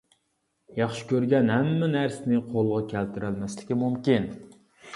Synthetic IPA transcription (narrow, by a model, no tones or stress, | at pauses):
jɑχʃɪ̥kʲøɾɡʲɛnɦɛmːɛnæɾsɪnɪqʰolˠʁɑkʲʰælt̪ʰɪɾælmɛslɪkʲimumkʲin